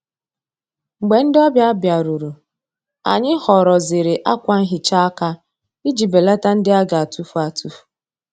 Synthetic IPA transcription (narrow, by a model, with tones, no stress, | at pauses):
ŋ͡m̩˨ɡ͡be˨n̩˦dɪ˦ɔ˦bja˦a˦bja˨ɾu˨ɾu˨ | a̰˨ɲɪ˦hɔ˨ɾɔ˨zɪ˨ɾɪ˨ʔa˦kʷa˦n̩˦ɦɪ˨t͡ʃa˦a˦ka˦ | i˦d͡ʒi˨be˨la˦ta˦n̩˦dɪ˦a˦ɡa˨a˨tu˦fa˨tu˦fu̥˨